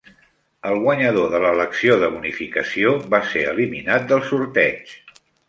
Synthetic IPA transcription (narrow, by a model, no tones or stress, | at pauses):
əlˠɣwəɲəðoðələləksioðəβunifikəsioβaseəliminat̪̚d̪əlˠsuɾt̪ɛt͡ʃ